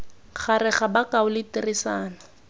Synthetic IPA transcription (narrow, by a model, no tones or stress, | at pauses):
χʰarɪχabakaʊlɪtirisaːna